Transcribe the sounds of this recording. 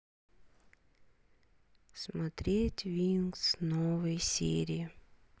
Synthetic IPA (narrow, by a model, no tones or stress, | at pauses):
smɐt̪ɾʲetʲvʲinksnovəjsʲḛɾʲɪɪ